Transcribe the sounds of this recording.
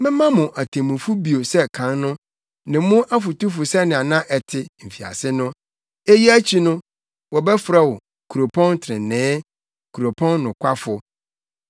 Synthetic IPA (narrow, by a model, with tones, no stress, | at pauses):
mɪ̃˦mã˦mʊ̃˨ʔa˨tʰẽ˨mũ˨fu˦bi˨o˨sɛ˦kʰã˨˦nnʊ̃˦ | nɪ̃˨˦mʊ̃˦ʔa˦fʊ˨tu˦fʊ˨sɛ˦nɪ̃˨a˨nã˦ʔɛ˨tʰɪ˨m̩˨fi˨a̰˨sɪ˦nʊ̃˦ | e˦ji˦æ˦t͡ɕʰi˦nʊ̃˦ | wɔ˨bɛ˦fɾa˨wɔ˨ | kʰu˨ɾo˨pʰɔ̃˦ntʰɾɪ̰̃˨nɪ̃ː˦ | kʰu˨ɾo˨pʰɔ̃˦nːʊ̃˨kʷʰa˦fʊ˨